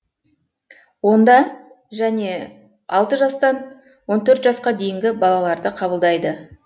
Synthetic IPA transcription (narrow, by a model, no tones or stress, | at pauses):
wo̞nd̪ɑ | ʒæne̞ | ɑlˠt̪əʒɑst̪ɑn | wo̞nt̪ʰɵɾt̪ʒɑsqɑd̪e̞jɪŋɡʲɪbɑlˠɑlˠɑɾd̪əqʰɑbəlˠd̪ɑjd̪ə